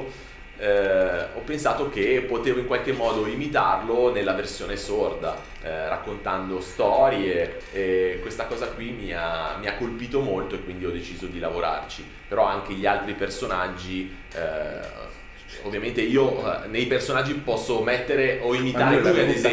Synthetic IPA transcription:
ɔpːensaːt̪ok̟epːot̪eːvoiŋkwalk̟emːɔːd̪oimit̪arlonelːaversjoːnesord̪a̰ | ra̰kːont̪and̪ost̪ɔːɾjeː | kːwest̪akɔːzakwimia̰miakːolpiːt̪omolt̪oekːwind̪iɔd̪et͡ʃiːzod̪ilavoɾa̰rt͡ʃi | peɾɔaŋk̟eʎialt̪ɾipersonad͡ʒːi | o̰vːjament̪eiːonejpersonad͡ʒːipɔsːomet̪ːeɾeʔoimit̪aːɾelujad̪ez

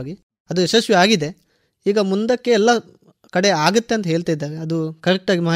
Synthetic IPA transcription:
ɡi | ɐd̪uɛʃɐsʋiaːɡid̪e̞ | iːɡɐmund̪ɐkːe̞ɛlːɐ | kɐɽe̞aːɡut̪ːeɐnt̪ɐɦeːɭt̪aːjid̪ːaːɾeɐd̪ukɐɾɛk̚ʈaːɡimɐː

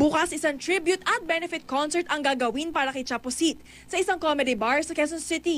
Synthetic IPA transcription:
buːkɐsʔɪsaŋt̪ɹibjʊt̪ɐt̪̚bɛnɛfɪt̪̚konsɛɹt̪ɐŋɡaːɡɐwinpaːɾɐkɐjt͡ʃaposit̪̚ | sɐʔɪsaŋkomɛd̪ɪbaɹsɐkɛs̬onsɪt̪i

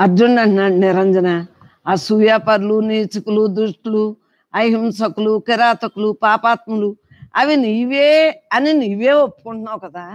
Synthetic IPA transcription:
ɐɾd͡ʒuɳɖɐɳʈnaːɽnɪɾɐɲd͡ʒɐna | asujaːpɐɾluniːt͡ʃukulud̪ɾuʂʈulu | ɐjɦimsɐkulukiɾaːt̪ɐkulupaːpaːt̪̚mɐlu | ɐʋiniiʋeːɐniniːʋeːopːu̥kuɳʈunaːwkɐd̪aː

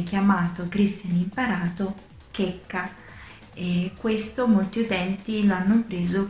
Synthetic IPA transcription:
k̟jamaːt̪okɾist̪janimpaɾaːt̪o | kɛkːa | ekːwest̪omolt̪iut̪ɛnt̪iloanːopɾeːzo

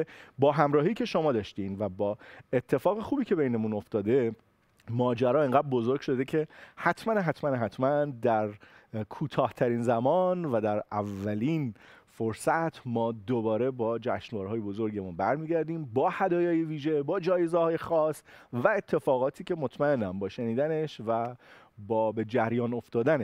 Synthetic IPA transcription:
bɒːɦæmɾɒːɦiːcʰe̞ʃomɒːd̪ɒːʃt̪iːnvæbɒːe̞t̪ʰːe̞fɒːɣexuːbiːcʰe̞bejnemuno̞ft̪ɒːd̪e̞ | mɒːd͡ʒæɾɒːeŋɡædbo̞zoɾɡ̥ʃo̞d̪ecʰe̞hæt̪ʰmænɦæt̪ʰmænɦæt̪ʰmænd̪æɾkʰuːt̪ʰɒːht̪ʰæɾiːnzæmɒːnvæd̪æɾævːæliːnfoɾsæt̪ʰmɒːd̪obɒːɾe̞bɒːd͡ʒæʃnvɒːɾɦɒːje̞bo̞zo̞ɾɟemunbæɾmiːɟæɾd̪iːmbɒːhæd̪ɒːjɒːjeviːʒe̞bɒːd͡ʒɒːjezehɒːje̞xɒːsvæet̪ʰːe̞fɒːɣɒːt̪ʰiːce̞mo̞t̪ʰmæe̞nːæmbɒːʃeniːd̪æne̞ʃvæ | bɒːbe̞d͡ʒæɾjɒːno̞ft̪ɒːd̪æneʃ

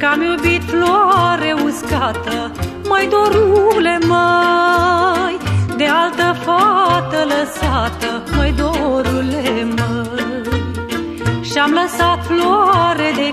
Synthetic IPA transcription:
kamjubit̪floaɾe̞uskat̪ə | məjd̪oɾule̞mə | jd̪e̞alt̪əfat̪ələsat̪ə | məjd̪oɾulemə | j | ʃiamləsat̪floɾed̪e

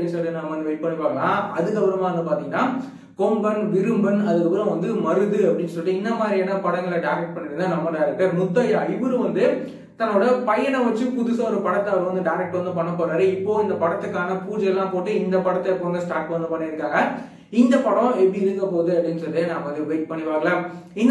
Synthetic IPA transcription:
ɽɪnsɔlðenaːmɐʋɐnd̪ɯʋɐɪʈ̚pɐɳːɯpːaːŋɡɐaɐðɯkːɐpɪɾɐmaːɐnd̪ɯpaːɾt̪ɪ̃ŋɡɐnaː | kɔmbɐnʋɪɾɯmbɐnɐðɯkːɐpɪɾɐ̃ʋɐnd̪ɯmɐɾɯðɯɐpːɐɽɪnːsɔlɪʈːɯɪnd̪ɐmaːd̪ɾiɐnːɐpɐɽɐŋɡɐɭɐɖɐɪɾɛk̚ʈ̚pɐɳːɪɾɯnd̪ɯnɐmːɐɖɐɪɾɛk̚ʈːɐɾnʊt̪ːɐjɐɪbɯɾɯ̃ʋɐnd̪ɯ | t̪ɐnːoːɽɐpɐjɐɳɐ̃ʋɐt͡ʃːɯpʊðʊsaɔɾɯpɐɽɐt̪ːɐɾɐʋɐnd̪ɯɖɐɪɾɛk̚ʈʋɐnd̪ɯpɐɳːɐpːoːɾaːɾɯɪpːoːɪnd̪ɐpɐɽɐt̪ːɯkːaːnɐpuːd͡ʒɐjɐlːãːpoːʈːɯɪnd̪ɐpɐɽɐt̪ːɐɛpːoːɾɐnd̪ɐsʈaːɾʈ̚pʋɐnd̪ɯpɐɳːɪɾɯkːaːŋɡɐ | ɪnd̪ɐpɐɽɐ̃ɛbiɪɾɯkːɐpoːðɯɐpːɐɽɪnd͡ʒɯɾɐðenãːɐʋɐnd̪ɯʋeɪʈ̚pɐɳːɪʋaːŋɡɐɭaːɪn

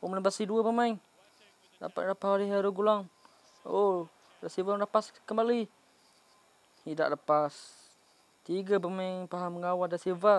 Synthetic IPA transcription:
omənəbasiduəpəmajŋ | la̰pa̰lapasaliɦaɾuɡulaŋ | o | dasevaləpaskəmbali | hida̰ʔləpas | t̪iɡəp̬əməjŋpaɦamːəŋawadaseva

